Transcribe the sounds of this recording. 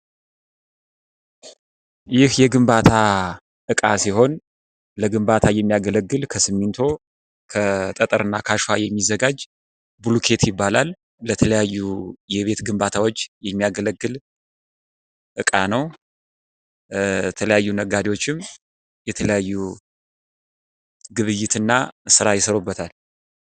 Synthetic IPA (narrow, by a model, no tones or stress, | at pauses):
jɪhjɛɡɨmbat̪ʰa | ʔɨkʼasiɦo̞n | ləɡɨmbat̪ʰajɛmːijaɡələɡːɨlkʰəsɨmːint̪ʰo̞ | kʰət̪ʼət̪ʼəɾɨnːakʰaʃajɛmːizəɡad͡ʒ | bulukʰe̞t̪jɪbːalalː | ət̪ʰələjajːujɛβe̞t̪ɡɨmbat̪ʰawo̞t͡ʃːjɛmːijaɡələɡːɨl | ʔɨkʼanəw | t̪ʰələjajːunəɡad̪iwo̞t͡ʃːɪm | jɛt̪ʰələjajːu | ɡɨβɨjːɪt̪ɨnːasɨɾajɪsəɾobːət̪ʰal